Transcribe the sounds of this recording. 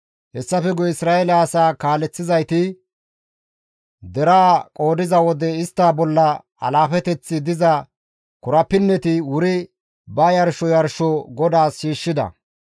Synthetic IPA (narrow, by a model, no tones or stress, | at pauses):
hɛsːɐfɛɡɔɪsɾaːʔɛlɐːsaːkaːlɛt͡sːɪzɐjt̪ɪ | d̪ɛɾaːkʼoːd̪ɪzɐwɔd̪ɛɪst̪ːaːbɔlːɐ | ɐ̰laːfɛt̪ɛt͡sːɪd̪ɪzɐ | kʊɾɐpːɪnːɛt̪ɪwʊɾɪ | bɐjɐɾʃɔjɐɾʃɔɡɔd̪aːsːiːʃːɪd̪ɐ̰